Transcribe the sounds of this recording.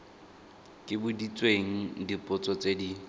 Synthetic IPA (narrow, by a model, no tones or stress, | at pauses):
kʼɪbʊdit͡sʼweŋ̩dipʼʊt͡sʼɔt͡sʼedi